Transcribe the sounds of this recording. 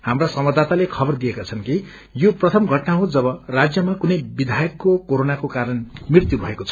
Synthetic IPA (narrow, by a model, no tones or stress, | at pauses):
hamrasʌmʌd̪ʱat̪alekʰʌbʌrd̪ijekat͡sʰʌnki | joprʌt̪ʰʌmɡʱʌʈnaɦod͡zʌβʌrad͡zjʌmakunʌjbid̪ʱajʌkːokoɾonakokaɾʌnmrirt̪jubʱʌekot͡sʰʌ